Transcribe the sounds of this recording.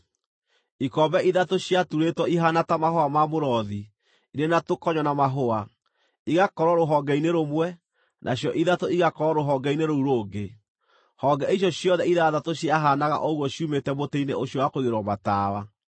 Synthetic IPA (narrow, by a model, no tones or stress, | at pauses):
ikɔbɛʔiðatoɕjatuɾetɔiɦanatamahoamamoɾɔði | inenatokɔɲɔnamaɦoa | iɣakɔɾɔɾoɦɔɡɛineɾomwɛ | nʔa̰ɕjɔʔiðatoiɣakɔɾɔɾoɦɔɡɛineɾouɾoːɡe | hɔɡɛiɕjɔɕjɔðɛiðaðatoɕjaɦanaɣa̰ʔɔuɣɔɕiumetɛmoteineʔoɕjɔwakoɣeɾwɔmataːwa